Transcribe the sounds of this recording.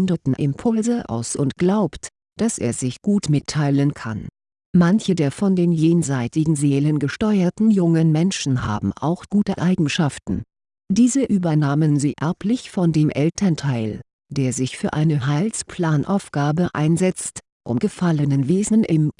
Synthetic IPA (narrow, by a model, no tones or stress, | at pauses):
ndɐtn̩ʔɪ̰mpʰʊlzəʔa̰ʊsʔʊntɡ̥laʊpt | d̥asʔḛːɐzɪçɡ̥uːtmɪtʰːaɪlənkʰa̰n | mançədeːɐfɔndeːnjeːnzaɪtɪɡŋ̩zeːlənɡəʃtɔʏɐtn̩jʊŋənmɛnʃn̩ha̰ːbm̩ʔa̰ʊxɡ̥uːtəʔaɪɡŋ̩ʃaftn̩ | d̥iːzəʔyːbɐnaːmənziːʔɛɐpʰlɪçfɔndeːmʔɛltʰɐntʰaɪl | d̥eːɐzɪçfyːɐʔaɪnəɦaɪlspl̥aːnʔa̰ʊfɡ̥aːbəʔa̰ɪnzɛt͡st | ʔʊ̰mɡ̥əfalənənveːzn̩ʔɪm